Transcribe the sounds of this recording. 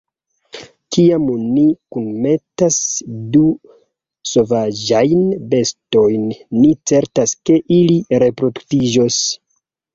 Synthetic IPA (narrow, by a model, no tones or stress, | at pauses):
kiamonikunme̞tasdu | so̞vad͡ʒajnbe̞sto̞jnːit͡se̞ɾtaske̞ʔiliɾe̞pɾo̞duktid͡ʒos